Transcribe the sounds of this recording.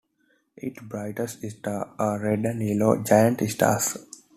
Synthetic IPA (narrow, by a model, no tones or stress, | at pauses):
eːʈbɾaɪʈəsɪsʈaaːɾeɖə̃niːlo̰ːd͡ʒajə̃ɳʈɪsʈa̰s